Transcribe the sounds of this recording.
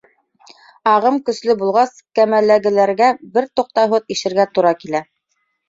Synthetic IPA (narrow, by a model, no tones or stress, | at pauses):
ɑʁɤmkɵ̆slɘbulˠʁɑskæmælːæɡɘ̆læɾɡæbɘɾt̪uq̚t̪ɑɦɤðiʃɘ̆ɾɡæt̪uɾɑkilæ